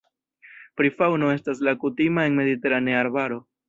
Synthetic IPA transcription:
pɾifawno̞e̞staslakutimae̞nme̞d̪ite̞ɾaneaɾbaɾo̞

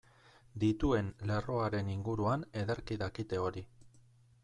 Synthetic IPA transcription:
d̪it̪ue̞nle̞ro̞aɾe̞niŋɡuɾuane̞ðeɾkiðakit̪e̞o̞ɾi

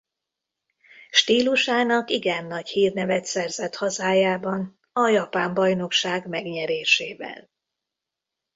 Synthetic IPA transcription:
ʃt̪iːluʃaːnɒkiɡɛnːɒchiːrnɛvɛt̪sɛrzɛt̪hɒzaːjaːbɒn | ɒjɒpaːmbɒjno̞kʃaːɡmɛɡɲɛɾeːʃeːvɛ̰l

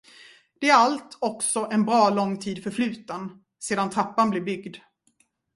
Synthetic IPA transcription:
d̪̥ɛæɾalt̪ʰɔksɔʔɛnbɾɑːlɔŋːt̪ʰiːd̪fœɾflʉ̟ːt̪ən | seːd̪ant̪ʰɾapːanblɪɾbʏɡd̪

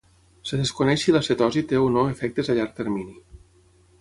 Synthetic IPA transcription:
seðeskonɛʃilaset̪ɔzit̪eunoefɛk̚t̪ezaʎaɾk̚t̪eɾmini

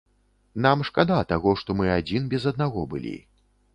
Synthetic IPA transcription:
namʂkad̪at̪aɣɔʂt̪ɔmɨad͡zʲinbʲɛzɐd̪̚naɣɔbɨ̰lʲḭ

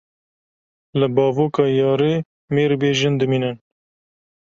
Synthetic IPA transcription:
lɨbɑːvoːkɑːjɑːɾeː | meːɾbeːʒɪnd̪ɨmiːnɨn

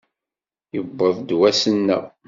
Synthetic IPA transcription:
jəbːəðˤd̪wæsənːæ̰

